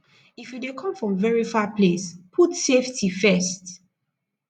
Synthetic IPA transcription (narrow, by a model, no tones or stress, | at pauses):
ifjudekʰɔ̃mfɹɔ̃mvɛɹifapʰlespʰutseftʰifɛst